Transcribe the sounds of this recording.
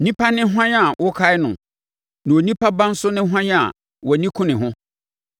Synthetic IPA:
nĩ˦pʰa˦nɪ̃˦ɦʷã˦ɲa˨wʔʊ˦kʰa˦ɪ˦nʊ̃˨ | nã˨wo˨nĩ˦pʰa˦bã˦n̩˦sʊ˦nɪ̃˦ɦã˦ɲ˦a̰˨ | wɔ˨nĩ˦kʰʊ̃˦nɪ̃˨ɦʊ̃˦

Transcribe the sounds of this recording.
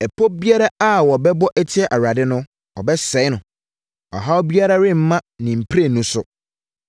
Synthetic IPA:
ɛ˨pʰɔ˦bi˦a˦ɾa˦a˦wɔ˨bɛ˦bɔ˦ʔɛ˦tʰɪ˦ɛ˨ʔa˨ɾa˨dɪ˦nʊ̃˦ | ɔ̰˨bɛ˦sɛ˨˦ɪ˦nʊ̃˨ | ɔ̰˨ɦa˦wbi˦a˦ɾa˦ɾɪ̃˦m̩˦mã˦nɪ̃˨m̩˨pʰɾe˦˨nũ˦sʊ˨

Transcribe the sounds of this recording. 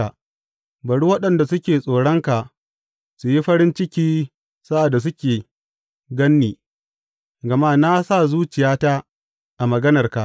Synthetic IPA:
a˨ | bɐ˨ɽu˦wɐ˦ɗɐ˨nda˨sʊ˦kʲeː˨sʼoː˨ɽɔ˦ŋka˨ʔ | su˨ji˦ɸɐ˦ɾɪ˦nt͡ʃɪ˦kʲiː˦ | sa˦ʔa˨dːa˨s̬ʊ˦kʲeː˨ | ɡɐ˦nːiː˨ | ɡɐ˨ma˦na˦sa˦˨zuː˦t͡ʃɪ˨jaː˦ta˦ | ʔa˨mɐ˨ɡɐ˦nɐ˨rka˨ʔ

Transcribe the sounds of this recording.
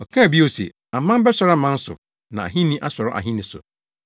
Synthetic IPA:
ɔ˨kʰã˦˨bi˦o˨sḛ˨ | a˨mã˦m˦bɛ˦sɔ˨ɾa˦mã˦n˦sʊ̰˨ | nã˨a̰˨ɦĩ˦nĩ˦ʔa˦sɔ˨ɾɔ˦ʔa̰˨ɦĩ˦nĩ˨sʊ̰˨

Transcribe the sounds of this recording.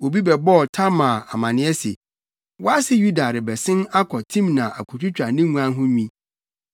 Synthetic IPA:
o˨bi˦bɛ˨bɔ˦ɔ˨tʰa˦mã˨a̰˨mã˨nɪ̃˦ɛ˦se˨ | wɔ˦a˦sɪ˦ju˦da˨ɾɪ˨bɛ˨sɪ̃˦na˦kʰɔ˨tʰĩ˦mnã˨ʔa˨kʰu˨tʰu˦t͡ɕᶣa˨nɪ̃˦ŋũ˦ã˦n˦ɦʊ̃˦ɲᶣĩ˦

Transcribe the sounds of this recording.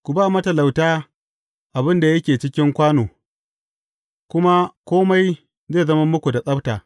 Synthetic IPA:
kʷu˨baː˦˨mɐ˦tɐ˨la˨wtaː˦ | ʔa˨bɪ˦nda˨jɐ˦kʲeː˨t͡ʃɪ˦kʲɪ˦ŋkʷaː˦noː˨ | kʷʊ˦ma˦kʷoː˦ma˦j | zeː˦˨zɐ˦ma˦mʊ˦kʷu˨da˨sʼɐ˦btaː˨

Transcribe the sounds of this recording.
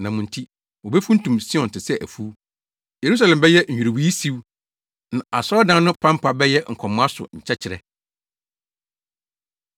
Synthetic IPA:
nã˨mʊ̃˨n̩˨tʰi˦ | wo˨bɛ˦fũ˦n̩˦tũ˨msɪ˦ɔ̃˨n̩tʰɪ˨sɛ˦ʔæ̰˨fu˦ | je˨ɾu˦s̬a˨lɛ̃˨mbɛ˦jɛ˦ɲ̩ᶣ˨u˨ɾi˨wi˦si˦w | nã˨a˨sɔ˦ɔ˦dã˦n˦nʊ̃˦pʰã˦m˦pʰa˦bɛ˦jɛ˦ŋ̩˨kʰɔ˨mʊ̃˦a˦sʊ̰˨ɲ̩˨t͡ɕʰɛ˦t͡ɕʰɪ˨ɾɛ̰˨

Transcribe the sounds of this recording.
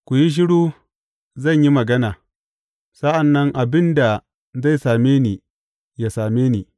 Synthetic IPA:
kʷu˨ji˦ʃ̬ɪ˦ɽuː˦ | zɐ˦˨ɲji˦mɐ˨ɡɐ˦naː˨ | sɐ˦ʔa˨nːɐ˦ŋʔa˨bɪ˦nda˨ | za˦˨jsaː˨meː˦ni˨ | jaː˨saː˨meː˦niː˨

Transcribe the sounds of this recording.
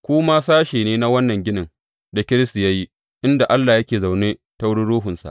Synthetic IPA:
kʷʊ˦maː˦saː˦ʃeː˨neː˦na˦wɐ˦nːɐ˨ŋɡʲɪ˦nɪ˨ŋ | da˨kʲɪ˦ɾɪ˦sta˨ja˦ji˦ | ʔɪ˦nda˨ʔa˦lːaː˨jɐ˦kʲeː˨za˨wneː˦ | ta˦wʊ˦ɽɪ˦ɽuː˦ɦʊ˨nsa̰˨

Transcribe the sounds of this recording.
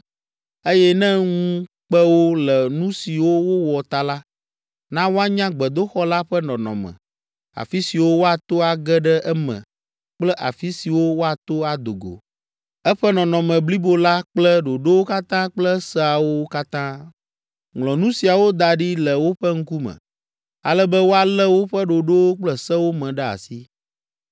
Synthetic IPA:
e˦jɛ˦nɛ̃˦ŋũ˦ | k͡pɛ˦wo˦lɛ˨nũ˦si˨wo˦wo˦wɔ˨t̪a˦la˦ | nã˦wo˦a˦ɲã˦ɡ͡bɛ˨d̪o˦xɔ˦la˦ɸɛ˦nɔ̃˨nɔ̰̃˨mɛ̰̃˨ | a̰˨fi˦si˨wo˦wo˦a˨t̪o˦a˨ɡɛ˦ɖɛ˦ʔɛ˦mɛ̰̃˨ | k͡plɛ˦ʔa̰˨fi˦si˨wo˦wo˦a˨t̪o˦a˨d̪o˨ɡo̰˨ | ɛ˦ɸɛ˦nɔ̃˨nɔ̃˨mɛ̃˨bli˦bo˦la˦k͡plɛ˦ɖo˨ɖo˦wo˦ka˦t̪ã˦k͡plɛ˦sɛ˦a˨wo˦ka˦t̪ã˦ | ŋlɔ̃˨nũ˦si˨a˨wo˦d̪a˨ɖi˦lɛ˨wo˦ɸɛ˦ŋ̩˦ku˦mɛ̰̃˨ | a̰˨lɛ˦bɛ˦wo˦a˨lɛ˦wo˦ɸɛ˦ɖo˨ɖo˦wo˦k͡plɛ˦sɛ˦wo˦mɛ̃˨ɖɛ˦a̰˨si˦

